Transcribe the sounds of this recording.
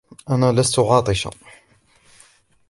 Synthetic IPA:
ʔanaːlast̪ʊʕɑːt̪ˤɨʃa̰

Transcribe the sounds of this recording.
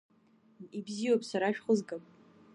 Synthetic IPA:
ibziwopʼsaɾaʃᶣχʊzɡʼapʼ

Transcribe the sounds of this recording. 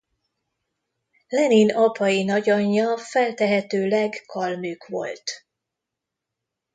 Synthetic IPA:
lɛninɒpʰɒjinɒɟɒɲːɒfɛlt̪ɛɦɛt̪øːlɛɡkɒlmyːkʋo̞̰lt̪

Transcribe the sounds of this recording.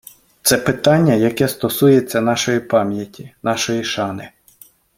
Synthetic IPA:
t̪sɛpɪt̪ɑnʲːɐjɐkɛst̪ɔsujet͡sʲːɐnɑʃɔjipɑmʲjɐtʲinɑʃɔjiʃɑnɪ

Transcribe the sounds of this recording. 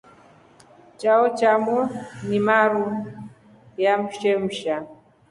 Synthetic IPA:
t͡ʃaɔt͡ʃamɔnimaɾu | jam̩ʃɛm̩ʃa

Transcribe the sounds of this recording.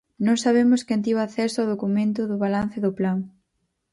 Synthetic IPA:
nõŋsaβ̞emʊskent̪̬iβaaθɛsʊawðokumẽnt̪̬ʊðʊβalan̟θɪðʊplaŋ

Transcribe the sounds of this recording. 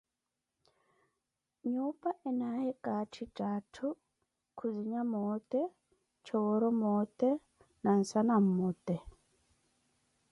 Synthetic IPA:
ɲupʼaʔɛnahɛkʼatʰitʼatʰu | kʰuziɲamɔt̪ɛ | t͡ʃʰɔwɔɾɔmɔt̪ɛ | nan̩sanam̩mɔt̪ɛ

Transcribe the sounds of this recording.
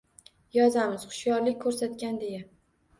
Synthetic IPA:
jɒzamɪz̥χʊ̥ʃjɒɾlɪkʲkʰːɵɾsat̪kʲand̪e̞ja

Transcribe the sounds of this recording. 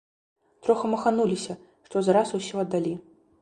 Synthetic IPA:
t̪ɾɔxɐmɐxanulʲisʲɐ | ʂt̪ɔzaɾasusʲiɐd̪ːalʲi

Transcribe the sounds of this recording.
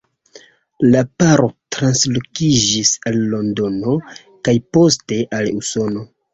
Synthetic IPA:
lapaɾo̞tɾanslo̞kid͡ʒisalːo̞ndo̞no̞ | kajpo̞ste̞ʔaluso̞no̞

